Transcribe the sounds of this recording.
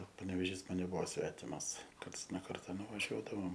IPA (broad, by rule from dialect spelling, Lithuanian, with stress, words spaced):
pɐnʲɛʋʲɛˈʒʲiːs ˈmɐn nʲɛˈbʊʋoː ˈsʲʋʲæːtʲɪmɐs ˈkɐrts noː ˈkɐrtɐ nʊʋɐˈʒʲuɔdɐʋoːm